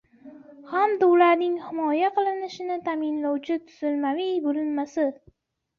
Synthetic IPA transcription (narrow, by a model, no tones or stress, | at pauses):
hamd̪aʊlaɾnɪŋhɪmɒjaqʰɨlˠɪnɪʃɪnɪt̪ʰamɪnlawt͡ʃʰɪt̪ʰʊ̥z̥ɪlmavijbolɪnmasɪ